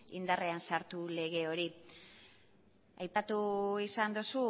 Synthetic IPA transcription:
ḭnd̪are̞ansaɾt̪ule̞ɣ̞e̞o̞ɾi | ajpat̪uisand̪usu

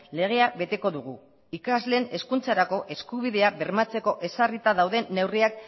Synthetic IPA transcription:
le̞ɣ̞e̞aβe̞t̪e̞ko̞ðuɣ̞u | ikazle̞ne̞skunt͡saɾako̞ʔe̞skuβ̞iðe̞aβe̞ɾmat͡se̞ko̞ʔe̞sarit̪aðawðe̞nːe̞wriak̚

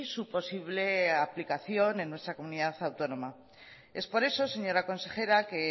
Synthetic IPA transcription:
supo̞siβ̞le̞aplikaθjo̞ne̞nːwe̞st̪ɾako̞muniðaθawt̪o̞no̞ma | e̞spo̞ɾe̞so̞se̞ɲo̞ɾako̞nse̞xe̞ɾake̞

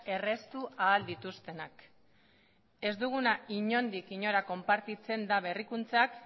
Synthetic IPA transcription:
e̞re̞st̪uaːld̪it̪ust̪e̞nak | e̞zd̪uɣ̞unaiɲo̞nd̪ikiɲo̞ɾako̞mpaɾt̪it͡se̞nd̪aβ̞e̞rikunt͡sak

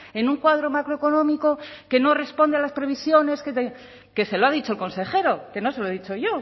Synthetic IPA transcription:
e̞nuŋkwaðɾo̞makɾoeko̞nõ̞miko̞ke̞no̞re̞spo̞nd̪ealaspɾeβ̞isjo̞ne̞sket̪e | ke̞se̞loaðit͡ʃo̞elko̞nse̞χe̞ɾo̞ke̞no̞se̞loeðit͡ʃojo̞

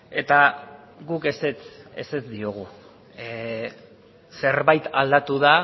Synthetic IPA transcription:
e̞t̪a | ɡukeset͡sḛse̞zd̪io̞ɣ̞u | se̞ɾβajt̪ald̪at̪uða

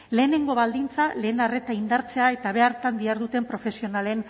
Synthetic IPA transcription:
le̞ːne̞ŋɡo̞βald̪int͡sale̞ːnare̞t̪aind̪aɾt͡se̞ae̞t̪aβ̞e̞aɾt̪and̪iaɾðut̪e̞mpɾo̞fe̞sio̞nale̞n

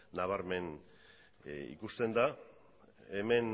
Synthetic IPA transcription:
naβaɾme̞n | ḭkust̪e̞nd̪a | eme̞n

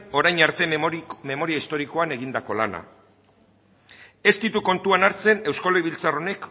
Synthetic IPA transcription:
o̞ɾajɲaɾt̪e̞me̞mo̞ɾiaist̪o̞ɾiko̞ane̞ɣind̪ako̞lana̰ | e̞st̪it̪uko̞nt̪uanaɾt͡se̞ne̞wskoleiβilt͡saro̞ne̞k

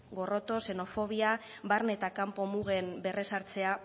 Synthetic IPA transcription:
ɡo̞ro̞t̪o̞se̞no̞fo̞β̞ia | βaɾne̞t̪akampo̞muɣe̞mbe̞re̞saɾt͡se̞a

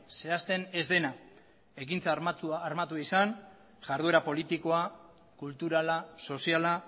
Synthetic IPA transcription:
se̞ast̪e̞ne̞zd̪e̞na | e̞kint͡sauːɾmat̪uaisan | ʝaɾðue̞ɾapo̞lit̪iko̞a | kult̪uɾalaso̞siala

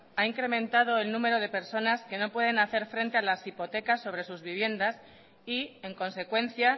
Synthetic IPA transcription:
aiŋkɾe̞mẽ̞nt̪að̞o̞e̞lnũme̞ɾo̞ð̞e̞pe̞ɾso̞naske̞no̞pwe̞ð̞e̞naθe̞ɾfɾe̞nt̪e̞alasipo̞t̪e̞kasːo̞β̞ɾe̞suzβiβ̞je̞nd̪as | ie̞ŋkõ̞nse̞kwẽ̞n̟θja

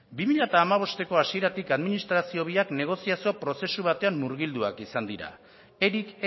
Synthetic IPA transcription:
bimiʎat̪aːmaβ̞o̞st̪e̞ko̞asie̞ɾat̪ikaðminist̪ɾasio̞β̞iakne̞ɣ̞o̞siasio̞pɾo̞se̞suβ̞at̪e̞ammuɾɣild̪ua̰kisand̪iɾa̰ | eɾik

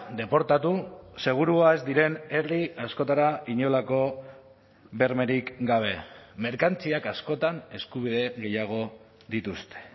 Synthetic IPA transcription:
d̪e̞po̞ɾt̪at̪use̞ɣ̞uɾuae̞zd̪iɾe̞ne̞ɾliasko̞t̪aɾaiɲo̞lako̞ | be̞ɾme̞ɾikɡaβ̞e̞me̞ɾkant͡siakasko̞t̪ane̞skuβ̞iðe̞ɣe̞jaɣ̞o̞ | d̪it̪ust̪e̥

